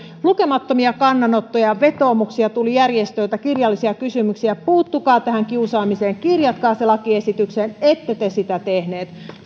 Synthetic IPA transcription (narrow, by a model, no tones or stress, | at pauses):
luke̞mɑt̪ːomiɑkɑnːɑnot̪ːojɑʋe̞t̪o̞ːmuksiɑt̪ulijærjest̪øit̪ækirjɑlːisiɑkysymyksiæpuːt̪ːukɑːt̪æhæŋkiusɑːmise̞ːŋkirjɑt̪kɑːselɑkiesit̪ykseːnet̪ːet̪esit̪æt̪ehneːt̪